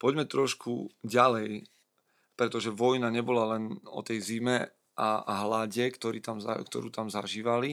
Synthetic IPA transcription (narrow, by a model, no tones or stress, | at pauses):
pɔɟmɛt̪ɾɔʃkʰṵɟalɛj | pɾɛt̪ɔʒɛʋɔjnaɲɛbɔlalɛnɔ̰t̪ɛjzimɛ | ʔa̰ɦlaɟɛkt̪ɔɾiːt̪amza̰kt̪ɔ̰ɾuːt̪amzaʒiːʋali